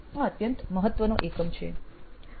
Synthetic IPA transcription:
ãət̪jənt̪məɦət̪ːʋənoʔekəmt͡ʃʰḛ

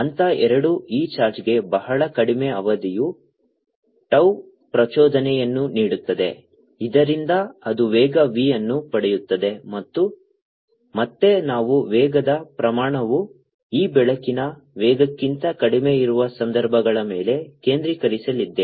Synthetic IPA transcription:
ɐnt̪ɐʔɛɾɐɽuiːt͡ʃaːɾd͡ʒɡe̞bɐɦɐɭɐkɐɽime̞ɐʋɐd̪iju | ʈɐw | pɾɐt͡ʃɔːd̪ɐnɛjɐnːuniːɽut̪ːɐd̪e̞̰ | id̪ɐɾind̪ɐɐd̪uʋɛːɡɐʋiːjɐnːupɐɽejut̪ːɐd̪e̞mɐt̪ːu | mɐt̪ːe̞naːʋuʋɛːɡɐd̪ɐpɾɐmaːɳɐʋu | iːbɛɭɐkinɐʋɛːɡɐkːint̪ɐkɐɽime̞iɾuʋɐsɐnd̪ɐɾbʱɐɡɐɭɐmeːle̞ke̞ːnd̪ɾikɐɾisɐlid̪ːe̞

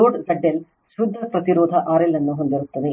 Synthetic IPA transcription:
oːɖsɐɖːel | ʃɾud̪ʱːɐpɾɐt̪iɾoːd̪ʱɐʔaːɾilːenːuɦond̪iɾut̪ːɐd̪ɨ

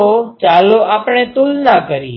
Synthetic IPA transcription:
ot͡ʃaːloʔaːpɳ̃et̪ʊlnakəɾiː

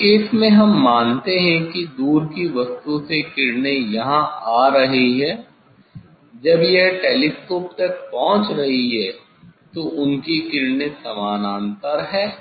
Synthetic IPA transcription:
ɪsmẽɦɐmːaːnt̪eɦɛ̃kid̪uːɾkiʋɐst̪usekɪɾnejɐɦãaːɾɐɦiɦɛː | d͡ʒɐbjeɦʈeːliskoːp̚t̪ɐk̚pɔ̃ɦʊ̃t͡ʃɾɐɦiɦɛː | t̪oʔʊnkikɪɾnesɐmaːnãːnt̪əɾɦɛː

